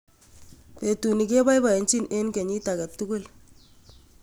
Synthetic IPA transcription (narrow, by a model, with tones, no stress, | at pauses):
pe˨tu˨ni˨ke˦ba˦jba˨e˨nt͡ʃi˦nʔe˦nke˨ɲi˦ta˨ka˨tu˦ku˦l